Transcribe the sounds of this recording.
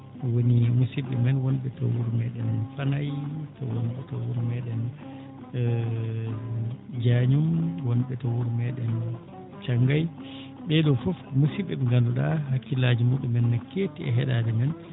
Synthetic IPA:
wonimusiɓɛmɛnwɔnɓɛtɔ̰wuɾumɛɗɛnfanajtɔwɔnɓɛtɔwuɾumɛɗɛn | d͡ʒaɲumwɔnɓɛtɔwuɾumɛɗɛn | t͡ʃaŋɡaj | ɓɛɗɔfɔfmusiɓːɛɓɛŋɡanduɗahakːilaːd͡ʒimuɗumːɛnːakːetiɛ̰ɦɛɗadɛmɛn

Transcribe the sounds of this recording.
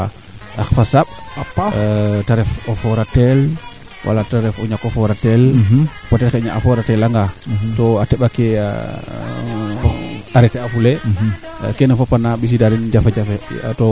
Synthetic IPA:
axfasaɓ̚ | taɾɛfɔfɔɾatɛl | wʔa̰lataɾɛfɔɲakːɔfɔɾatɛl | patɛlxɲaʔa̰fɔɾatɛlaŋɡatɔatɛɓakea̰ | aɾɛtɛafule | kɛnafapanabis̬idadund͡ʒafad͡ʒafḛtɔ

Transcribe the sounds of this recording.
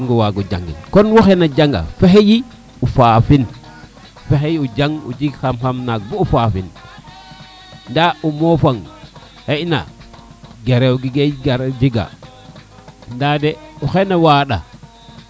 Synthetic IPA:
ŋɡowaɡod͡ʒa̰ŋɡḭnkonwuxenad͡ʒaŋɡa̰fexeji | ufaːfin | fexejiud͡ʒaŋṵd͡ʒiɡxamxamnak̚buufafin | ndaumofaŋ | hena̰ | ɡeɾewɡiɡeɡaɾd͡ʒiɡa̰ | ndadeuxenawaːɗa̰

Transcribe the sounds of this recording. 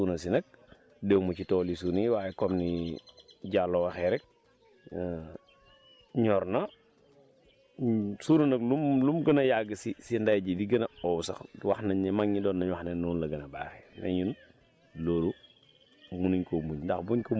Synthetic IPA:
unɐsinɐk̚ | dewmɐt͡ʃitɔːlisuːniwaːjɛkɔmni | ɟalːowaxɛɾɛk̚ː | ɲɔɾnɐ | suːnɐnɐklumlumɡɐnɐjaɡəsisindajɟidiɡɐnɐɔwusɐ̰xwaxnɐɲimaŋɲidɔːnːɐɲwaxnenːuːnlɐɡɐnɐba̰ːxɛnḛɲun | loːɾu | munuɲkomuɲndɐxbuɲko

